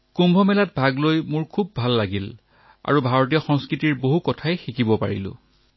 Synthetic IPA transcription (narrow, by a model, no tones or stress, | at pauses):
kumbʱɔmɛlat̚bʱaɡlojmʊɹkʰubːʱalːaɡil | a̰ɹubʱaɹɔt̬ijɔxɔŋskɹitiɹboɦukɔtʰajxikʰibɔpa̰ɹḭlʊ̰̃